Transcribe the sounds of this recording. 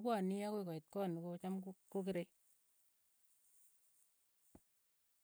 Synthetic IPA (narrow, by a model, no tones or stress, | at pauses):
kwanijakuikɔit̚kɔːnukot͡ʃamkkokiɾe